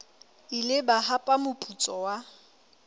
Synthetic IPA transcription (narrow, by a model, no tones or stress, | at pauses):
ilɪbaɦapʼamʊpʼut͡sʼɔwa